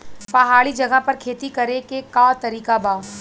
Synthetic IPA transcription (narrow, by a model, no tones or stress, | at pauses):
pɐɦaːɭid͡ʒɐɡəpɐɾkʰeːt̪ikɐɾekekat̪ɐɾiːkabaː